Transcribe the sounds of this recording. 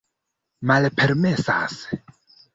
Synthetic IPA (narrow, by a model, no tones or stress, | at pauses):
malpʰeɾme̞sa̰s